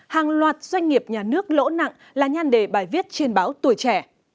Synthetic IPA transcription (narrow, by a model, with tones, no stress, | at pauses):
haː˨˩ŋlwaː˨˩t̚z̥wa˧jŋ̟ŋi˨˩əp̚ɲaː˨˩nɨ˦˥ək̚lo̰˧˥na̰˧˨ŋ | laː˨˩ɲaː˧nɗe˧˩ɓaː˧˩jvi˦˥ət̚t͡ɕe˧nɓaː˨˦wt̪u˧˩əjt͡ɕɛ˧˩